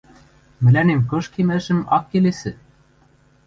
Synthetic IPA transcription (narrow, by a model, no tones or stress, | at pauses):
mɘ̆lænemkɤ̆ʃkemɘ̆ʒɘ̆mɑkːelesɘ̆